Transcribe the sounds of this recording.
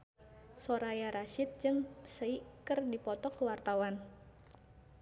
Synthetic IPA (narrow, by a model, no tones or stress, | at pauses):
soɾajaɾaʃɪt̪̚d͡ʒɨŋsəikɨrdipɔt̪ɔkəwart̪awan